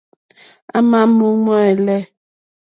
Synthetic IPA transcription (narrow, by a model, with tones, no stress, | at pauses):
a˦ma˦mu˦m˦a˦˨ɛ˨lɛ˦˨